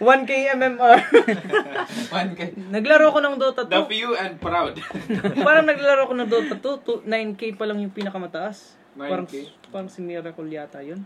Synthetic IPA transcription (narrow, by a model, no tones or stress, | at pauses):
wankejɛmɛmaɹ | wnknɐɡlɐɾoɐkonɐŋd̪oːt̪ɐt̪d̪ɐpjuɛ̃nd̪̚pɾawd̪paːɾɐŋnɐɡlalɐɾoɐkonɐŋd̪ot̪ɐt̪ot̪unajnkejpɐlɐŋjʊŋpiːnɐkɐmɐt̪ɐʔas | paːɾɐŋpaːɾɐŋsɪmɛɾɛkoljaːt̪ɐjon